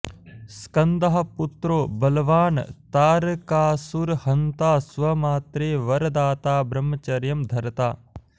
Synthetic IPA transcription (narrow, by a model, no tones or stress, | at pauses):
skɐnd̪ɐɦɐ̆put̪ɾoːbɐlɐʋaːnt̪aːɾkaːsuɾhɐnt̪aːsʋɐmaːt̪ɾeːʋɐɾɐd̪aːt̪aːbɾɐmːɐt͡ʃɐɾjɐmd̪ʱɐɾɐt̪a̰ː